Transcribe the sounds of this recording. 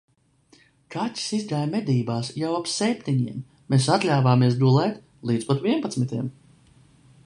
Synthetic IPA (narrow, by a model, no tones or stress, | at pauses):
kʰatʲi̥sizd̪aːjmɛd̪iːbaːsjawapsɛp̚ʲt̪ʲiɲiɛmː | esat̪lʲaːvaːmiɛs̬d̪ulˠɛt̪ | lˠiːt̪spɔt̪viɛnpat̪mit̪ʲiɛm